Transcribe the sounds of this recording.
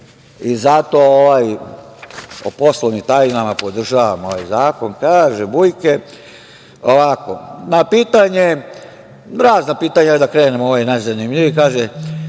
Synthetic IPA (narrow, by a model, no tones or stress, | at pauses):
izat̪o̞oʋaj | opo̞slˠomit̪ajnamapo̞d̪r̩ʒaːʋamoʋajzaːko̞nkaːʒebujke | oʋako̰napiːt̪aɲe | ɾaːznapiːt̪aɲad̪akɾeːnemooʋojnazanimʎiʋikaːʒe